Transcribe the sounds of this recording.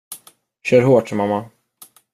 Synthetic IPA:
ɕœːɾɦoːʈmamːa

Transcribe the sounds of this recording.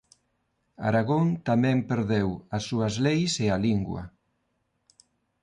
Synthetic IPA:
a̰ɾaɣont̪amɛ̃mpeɾðewasːuazlejsealiŋɡwɐ̰

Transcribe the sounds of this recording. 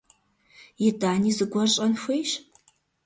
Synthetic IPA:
jɪdaːniːzɨɡʷɔɕʼɐnxʷejɕ

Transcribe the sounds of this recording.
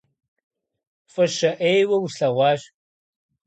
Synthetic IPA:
fʼɨʃɐʔejwɐwɬɐʁʷɑːɕ

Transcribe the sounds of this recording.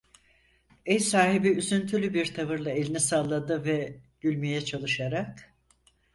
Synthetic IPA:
ɛjsaːɦibiyzynt̪ʰylʲybiɾt̪ʰavɯɾlˠae̞lʲinisalˠːad̪ɯvɛɟ̥ylʲmijɛt͡ʃʰalˠɯʃaɾak̚

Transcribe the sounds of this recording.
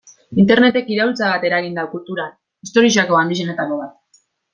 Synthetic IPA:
int̪e̞ɾne̞t̪e̞kiɾault͡saβat̪e̞ɾaɣind̪aukult̪uɾan | ist̪o̞ɾiʃ̬akoand̪iʃ̬e̞net̪akoβat̪̚

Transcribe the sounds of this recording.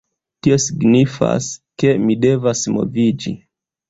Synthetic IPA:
tio̞siɡnifa̰ske̞mide̞vasmo̞̰vid͡ʒḭ

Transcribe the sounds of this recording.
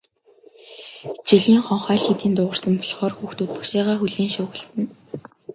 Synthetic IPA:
t͡ɕiɮʲiːŋχɔɴχæːɮxet̪iːnt̪ʊːʁə̆rsə̆mpɔɮχɔːrxuːxt̪ut̪̚pʊ̥̆kʃiːʁaːxuɮiːŋʃʊːɣə̆ɬt̪ɘ̆n

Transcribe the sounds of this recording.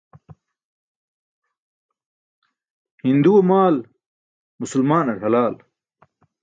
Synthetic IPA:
hind̪uomaːl | mʊsulmaːnɐɾɦɐlaːl

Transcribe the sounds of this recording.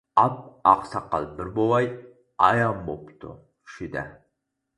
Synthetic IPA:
ɑp̚ɑqsɑqːɑ̰lˠbɪɾbowˠɑj | ɑjɑmbopt̪ʰʊ̰ | ʃɪd̪æ̰

